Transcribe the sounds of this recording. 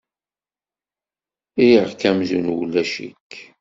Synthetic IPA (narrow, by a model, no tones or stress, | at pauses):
ijəʁkæmzunwlːæʃḭkː